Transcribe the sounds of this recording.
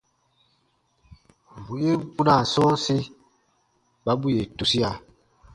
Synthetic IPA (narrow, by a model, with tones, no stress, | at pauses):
bu˨je˦bu˦nã˦˨sɔ̃ː˦si˦ | ba˨˦bu˦je˨tu˨si˦a˨